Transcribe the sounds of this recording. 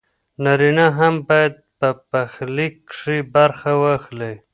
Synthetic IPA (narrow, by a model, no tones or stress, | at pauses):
naɾinaɦambɑjad̪̚pəpaxlikʂibaɾxawaxle